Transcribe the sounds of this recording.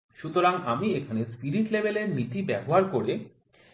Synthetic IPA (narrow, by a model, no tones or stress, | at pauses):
ʃut̪oɾaŋamiekʰanespiɾiʈlebeleɾmit̪ibɛboɦaɾkoɾe